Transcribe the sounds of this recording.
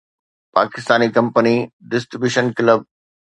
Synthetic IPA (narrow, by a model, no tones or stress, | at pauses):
pa̰ːkɪst̪aːnikɐ̃mpəniɖɪsʈɾibjuːʃənkləb̚